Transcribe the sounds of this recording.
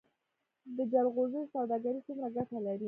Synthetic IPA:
d̪əd͡ʒalɣozəjsawd̪ɑɡaɾit͡sumɾaɡaʈalaɾi

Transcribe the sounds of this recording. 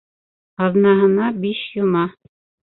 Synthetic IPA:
ɑðnɑɦɤ̆nɑbiʃjŭmɑ

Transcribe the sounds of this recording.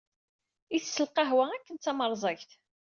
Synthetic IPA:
iθsːəlqɑɦwæækːənt͡s̪ːɑməɾˤzˤɑçθ

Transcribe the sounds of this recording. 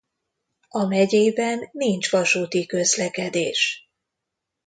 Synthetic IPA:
ɒmɛɟeːbɛnːiɲt͡ʃʋɒʃuːt̪ikø̞zlɛkɛd̪ḛːʃ

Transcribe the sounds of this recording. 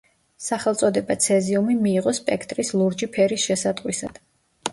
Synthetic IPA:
saχɛlˠt̪sʼɔd̪ɛbat̪sʰɛziumimiːʁɔspʼɛkʰt̪ʼɾislˠuɾd͡ʒipʰɛɾisʃɛsad̪ʼqʼwisad̪̥

